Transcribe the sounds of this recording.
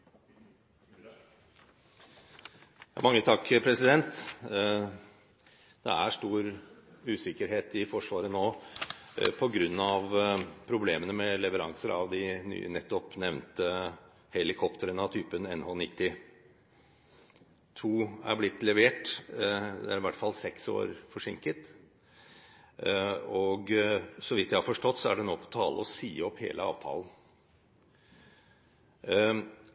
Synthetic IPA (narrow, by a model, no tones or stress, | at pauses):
jɑmɑŋːət̪ʰɑkːpʰɾɛsɪd̪ɛnt̪ | d̪̥ɛ̰æʂʈ̪uːɾʉːsɪkːəɾɦeːt̪ɪfɔʂʋɑːɾənoː | pʰɔɡɾʉnːɑʋpʰɾʊbleːmənəmɛlɛʋəɾɑŋsəɾɑ̰ʋd̪ɪny̰ːə̰nɛt̪ːɔpnɛʋnt̪ə | hɛlɪkʰɔpt̪əɾənɑʋt̪ʰyːpənɛnhoːnɪt̪ːɪ | t̪ʰuːæ̰ɾblɪt̪ːlɛʋeːʈ | d̪ɛ̰æɾɪʋæʈːfɑlsɛkso̰ːɾfɔʂɪŋkət̪ | ɔɡsɔʋɪt̪d̪æɪhɑɾfɔʂʈɔt̪ːsɔæɖɛnoːpʰɔ̥t̪ʰɑːlʔəɔsiːɔphḛːləɑ̰ːʋt̪ʰɑ̰ːlən̩